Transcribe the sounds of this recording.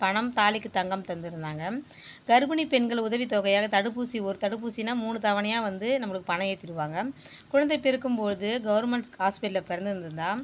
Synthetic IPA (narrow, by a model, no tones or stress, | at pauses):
pɐɳɐmt̪aːlɪkːɯt̪ɐŋɡɐmt̪ɐnd̪ɯɾɯnd̪aːŋɡɐ | ɡɐɾbɐnipɛnɡɐɭʊðɐʋit̪oːɣɐjaːɣɐt̪ɐɽɯp̬ːuːsiɔɾɯt̪ɐɽɯp̬ːuːsinaːmuːɳɯt̪ɐʋɐnɐjaːʋɐnd̪ɯnɐmːɐɭɯkːɯpɐɳɐjeːt̪ːɪɾɯʋaːŋɡɐ | kʊɻɐnd̪ɐɪpɛɾɯkːɯmpoːðɯɡɐʋɐɾmɛɳsaːspɪʈːɪlɐpɛɾɐnd̪ɪɾɯnd̪ɯɾɯnd̪ãː